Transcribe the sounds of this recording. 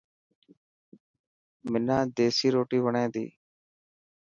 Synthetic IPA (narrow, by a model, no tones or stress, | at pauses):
mɪnãːd̪eːsiːɾoːʈiːʋəɳẽːd̪ḭː